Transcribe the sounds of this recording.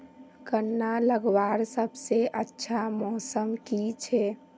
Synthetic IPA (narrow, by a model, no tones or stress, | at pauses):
kənːaləɡʋaɾsəbseʔətːʃʰamɔsəmkit͡ʃʰɛ